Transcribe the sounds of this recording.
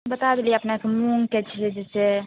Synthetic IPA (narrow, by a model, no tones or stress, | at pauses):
bət̪ad̪eliəpnekemuŋket͡ʃʰied͡ʒese